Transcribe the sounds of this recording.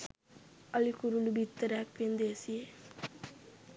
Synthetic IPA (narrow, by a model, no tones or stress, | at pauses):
ɐlikuɾulubit̪ːəɾak̚pind̪esie